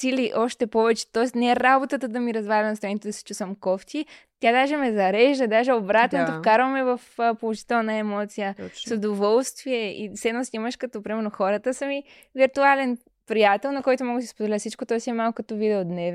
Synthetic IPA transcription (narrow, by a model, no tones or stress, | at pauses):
siliʔɔʃt̪ɛpɔvɛt͡ʃɛ̥t̪ɔɛst̪nɛɛɾabot̪ət̪əd̪ɐmiɾɐzvalʲɐnɐst̪ɾɛnit̪ɛd̪ɐsɛ̥t͡ʃusvɐmkɔft̪ʲi | t̪ʲjad̪aʒɛmɛzɐɾɛʒd̪əd̪aʒɛobɾat̪nɛt̪offkaɾvəmɛvɐfpolˠoʒi̥t̪ɛlˠnəɛmɔt̪sijəsod̪ovɔlˠst̪viɛḭslɛt̪nosʲnʲiməʃkɐt̪ɔpɾimɛɾnoxɔɾət̪əsəmi | viɾt̪ualɛn | pɾijat̪ɛlˠnɐkɔjt̪ʊmɔɡəsi̥spod̪ɛlʲafsit͡ʃkot̪ɔɛsiɛmalˠkokɐt̪ɔvid̪ɛod̪nɛv